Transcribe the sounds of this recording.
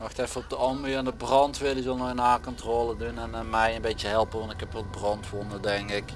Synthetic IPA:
mɑxtɛfəɔb̚dəɑmyɛndəbrɑntʋɪdəzəlˠnɔjənaːkɔntroːlədunɛnmɛjənbejtəɦɛlˠpənʋɑntɪkɛpʋɔl̚brɑntʋonədɛŋkɪk

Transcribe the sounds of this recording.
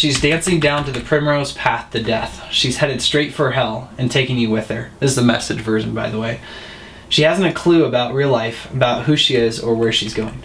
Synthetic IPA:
ʃizdæ̃nsɪ̃ŋdãʊ̃ntɨðɨpʰɹ̥ɪ̃moʊz̥pʰæθðɨdɛθʃiz̥hɛɾɨd̥stɹ̥eɪtfə˞ɦɛlˠɨ̃ntʰeɪkɪ̃ŋjɨwɪð̥ə˞ɨzðɨmɛ̰sɨdd͡ʒvɜ˞ʒɨ̃n̩baɪðəweɪ | ʃihæzn̩tɨkʰl̥ʉəbaʊʔ̚ɹilˠaɪfəbaʊt̚hʉʃiɪzə˞wə˞ʃizɡoʊɪ̃ŋ

